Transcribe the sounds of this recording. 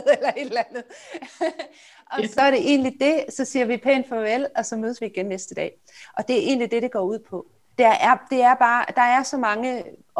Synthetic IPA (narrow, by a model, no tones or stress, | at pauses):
elɐe̝d̥lænð̩ˠ | ɒ̽sɒ̽æɐɾe̝ʔe̝̰ːnlid̥e̝sɒ̽siːɐʋipʰenfɒ̽elɒ̽sɒ̽møːðˠsʋiːɡ̥enːesd̥əd̥ɛ̰ː | ʔɒ̽d̥e̝ɐʔe̝̰ːnlid̥e̝ɾ̥e̝ɡ̥ɒ̰ːuð̞̰ˠpʰɒ̽ | d̥eʔæɐd̥e̝æɐb̥ɑ̈ːd̥ɑ̈æɐsɒ̽mɑ̈ŋə